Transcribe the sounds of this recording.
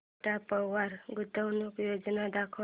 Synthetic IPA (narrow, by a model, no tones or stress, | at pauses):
ʈapəʋaɾɡut̪əwnukjod͡ʒnad̪akʰə